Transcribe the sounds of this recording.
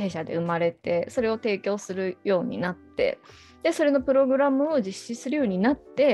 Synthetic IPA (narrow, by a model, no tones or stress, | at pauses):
eːɕad̪e̞̰ɯ̟maɾe̞t̪e̞so̞ɾe̞o̞t̪e̞ːkʲo̞ːsɨɾɯ̟jo̞ːɲ̟ḭnat̪ːe̞̰ | d̪e̞so̞ɾe̞no̞pɯ̟ɾo̞ɡɯ̟ɾamɯ̟o̞d͡ʑiɕːisɨɾɯ̟jo̞ːɲ̟inat̪ːe̞